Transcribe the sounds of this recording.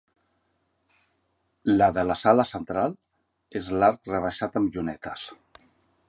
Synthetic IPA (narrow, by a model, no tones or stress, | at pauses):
laðəlasaləsənt̪ɾalˠ | ezlaɾkrəβ̞aʃat̪əmʎunɛt̪əs